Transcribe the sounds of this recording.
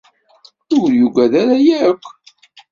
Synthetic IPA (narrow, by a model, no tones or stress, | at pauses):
θʊjuɡæðaɾajækʷː